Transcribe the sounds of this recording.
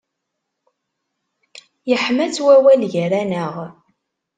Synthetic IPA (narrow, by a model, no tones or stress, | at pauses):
jəħmæt͡sːwæwælʝɾænəʁ